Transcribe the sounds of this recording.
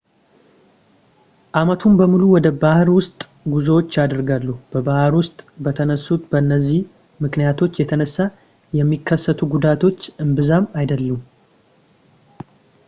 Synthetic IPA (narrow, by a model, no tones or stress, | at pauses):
ʔamət̪ʰumbəmuluwɔd̪əbahɾwʊst̪ʼ | ɡuzəwo̞t͡ʃːad̪əɾɡalːuhb̥əbahɾwʊst̪ʼbət̪ʰənəsːut̪bəɨnːəzːih | mɨknijat̪ʰo̞t͡ʃːjɛt̪ʰənəsːa | jɛmːikʰːəsːət̪ʰuɡud̪at̪ʰo̞t͡ʃːɨmbɨzamajd̪əlːəm